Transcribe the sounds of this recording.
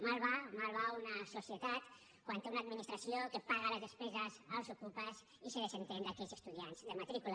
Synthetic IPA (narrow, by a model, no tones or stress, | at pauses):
malˠβamalˠβ̞aunəsusiət̪at̪ | kwant̪eunaːd̪minist̪ɾəsiokəpaɣələzðəspɛzəzəlˠzukupəz | isəðəzənt̪end̪akɛzəst̪uðianzd̪əmat̪ɾikul